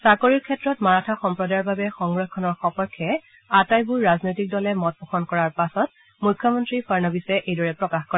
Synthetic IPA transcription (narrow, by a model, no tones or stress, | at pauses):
sakoɹiɹkʰɛtɹɔtmaɹatʰaxɔmpɹɔdajɔɹbabɛxɔŋɡɹɔkʰːɔnɔɹxɔpɔɹkʰːɛ | atajbuɹːaznojtik̚dɔlɛmɔt̚pɔxʰɔnkɔɹaɹpasɔt̚ | mujkʰːɔmɔntɹipʰaɹnabisɛʔejdɔɹɛpɹɔkaxkɔɹa